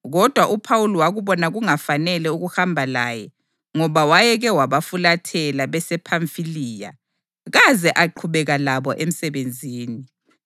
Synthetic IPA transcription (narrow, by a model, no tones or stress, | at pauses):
ɣɔd̥ʱwaʔupʰawulɔwaɣuβɔnaɣuŋafanɛlɛuɣuhambʱala̰ːjɛ | ŋɔβawajɛɣɛwaβafulatʰɛlaβɛsɛpʰaɱfiliːja̰ | ɣazɛʔaǃʰuβɛɣalaβɔʔem̩sɛβend͡zʱiːni